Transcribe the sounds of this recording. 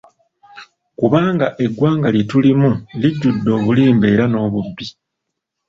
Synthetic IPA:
kuβaːŋɡaʔe̞ɡːwaːŋɡalje̞tulimuliɟːudːo̞ːβuliːmbe̞ːɾano̞ːβubːi

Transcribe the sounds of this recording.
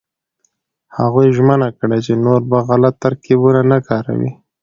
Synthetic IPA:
haɣujʒmənakɽet͡ʃenoɾbaɣalat̪ːaɾkibunanakɑɾa̰wḭ

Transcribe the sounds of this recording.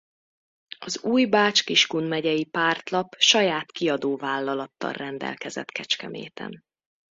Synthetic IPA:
ɒzuːjbaːt͡ʃkiʃkunmɛɟɛjipaːrt̪lɒpʃɒjaːt̪kiɒd̪oːvaːlːɒlɒt̪ːɒ̰lrɛnd̪ɛ̰lkɛzɛ̰t̪kɛt͡ʃkɛmḛːt̪ɛ̰n

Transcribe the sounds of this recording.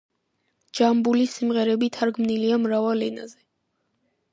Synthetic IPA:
d͡ʒambulisimʁɛɾɛbit̪ʰaɾɡmniliamɾavalɛna̰zɛ

